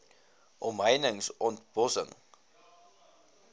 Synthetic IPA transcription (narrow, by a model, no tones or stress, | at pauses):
ʔɔmɦəjnəŋsɔntbɔsə̰ŋ